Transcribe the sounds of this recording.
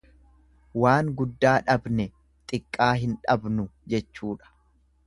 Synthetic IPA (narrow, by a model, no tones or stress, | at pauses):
waːŋɡʊd̪ːaːᶑɐbnɛ | t̪ʼɪkʼːaːɦɪnᶑɐbnʊd͡ʒɛt͡ʃːuːᶑɐ̥